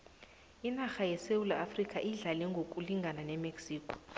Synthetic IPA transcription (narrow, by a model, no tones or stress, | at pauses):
inaxajɛsewulaːfrikʼaʔiɮalɛŋɡʱokʼuliŋɡʱananɛmeksiːkʰʼɔ̥